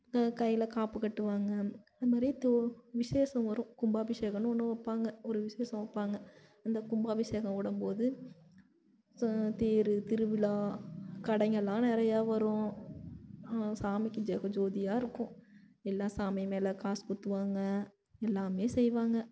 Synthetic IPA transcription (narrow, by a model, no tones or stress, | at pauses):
kɐjːɪlɐkaːpɯkːɐʈːɯʋaːŋɡɐɐðɐmaːd̪ɾit̪ʋɪseːsɐ̃mʋɐɾʊ̃kʊmbaːbɪʂeːɣɐnɔnːɯʋɐpːaːŋɡɐɔɾɯʋɪseːsɐ̃ʋɐpːaːŋɡɐ | ɪnd̪ɐkʊmbaːbɪseːɣɐ̃mɔɽɐmpoːðɯ | t̪iːɾɯt̪ɪɾɯʋɪlaːkɐɽɐŋɡɐlːãːnɪɾɐjaːʋɐɾʊ̃ | ɐasaːmɪkːɯd͡ʒɛɣɐd͡ʒoːðɪjaːɪɾɯkːʊ̃ | ɛlːaːsaːmɪmeːlɐkaːskʊt̪ːɯʋaːŋɡɐ | ɛlːaːmeːsɛjʋaːŋɡɐ